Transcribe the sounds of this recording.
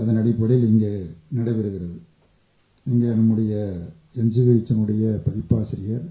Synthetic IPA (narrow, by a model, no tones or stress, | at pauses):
ɐðɐnɐɽɪpːɐɽɪlɪŋɡeːnɐɽɐʋɪɾɯɣɪɾɐðɯ | ɪŋɡeːnɐmːɯɽɐjɐ | ɛɲd͡ʒɯðɪɾɪt͡ʃːɐnɯɽɐjɐpɐɪpːaːsɪɾɪjɐɾ